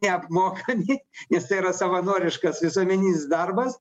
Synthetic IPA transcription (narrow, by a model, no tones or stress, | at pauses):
ɛɐpmoːkɐmʲɪnʲɛst̪ɐɪiɾɐsɐʋɐnuɔɾʲɪʃkɐsʋʲɪsuɔmʲɛnʲiːsd̪ɐrbɐs